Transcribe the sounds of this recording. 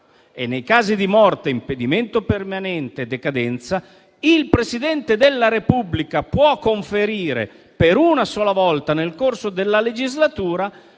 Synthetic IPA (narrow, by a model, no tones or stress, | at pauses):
enːejkaːzid̪imɔrt̪eimped̪iment̪opermanɛnt̪ed̪ːekad̪ɛnt̪sa | ilpɾesid̪ɛnt̪ed̪elːaɾepublikapwɔkːoɱfeɾiːɾḛ | peɾunasɔːlavɔlt̪anelkorsod̪elːaled͡ʒizlat̪uːɾa